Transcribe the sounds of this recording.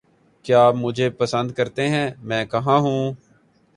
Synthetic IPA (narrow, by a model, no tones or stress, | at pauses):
kjaːmʊd͡ʒʱeːpəsə̃nd̪̚kəɾt̪eɦɛ̃ːmɛ̃ːkɐɦãːɦũː